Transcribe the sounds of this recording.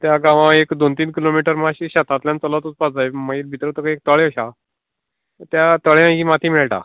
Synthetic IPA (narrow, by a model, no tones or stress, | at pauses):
t̪jaɡãʋãekd̪ont̪iːnkilomiʈəɾmaɕiɕat̪ʰat̪ljãnt͡səlɔt̪ut͡spad͡zajməiɾbʱit̪ɾət̪əkəek̚t̪əɭeəɕa | t̪jat̪əɭjãimat̪ʰiːmiɭʈa̰